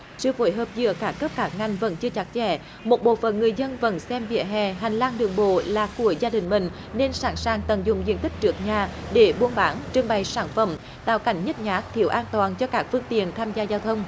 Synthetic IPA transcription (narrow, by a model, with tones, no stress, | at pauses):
sɨ̰˧əfo˧˩˦jɦəː˨p̚zɨ̰˧˨əkaː˦˥kːə˦˥p̚kaː˦˥k̚ŋa˨˩jŋ̟və̰˧˥nt͡ɕɨ˧ət͡ɕa˦˥t̚t͡ɕɛ̰˧˩ | mo˨˩t̚ɓo̰˧˨fə̰˧˨nŋɨ˨˩əjzə˧nvə̰˧˥nsɛ˧mvḭ˧˨əɦɛ̰˧˨ɦa˨˩jŋ̟laː˧ŋɗɨ˨˩əŋɓo̰˧˨laː˨˩ku˧˩əzaː˧ɗï˨˩ŋ̟mï˨˩ŋ̟ | ne˧nsaː˧˩nsaː˨˩ŋt̪ə˨˩nzʊ˨ŋ͡mzḭ˧˨ənt̪ï˦˥k̚t͡ɕɨ˦˥ək̚ɲaː˨˩ɗe˧˦ɓu˧ənɓaː˨˦nt͡ɕɨ˧əŋɓa˨˩jsaː˧˩nfə̰˧˩m | t̪a̰ː˧˨wka˨˧˩jŋ̟ɲə˦˥t̚ɲaː˨˦˥k̚t̪ʰḭ˨˧˩əwʔaː˧nt̪waː˨˩nt͡ɕɔ˧kaː˦˥k̚fɨ˧əŋt̪ḭ˧˨ənt̪ʰaː˧mzaː˧zaː˧wt̪ʰə˧wŋ͡m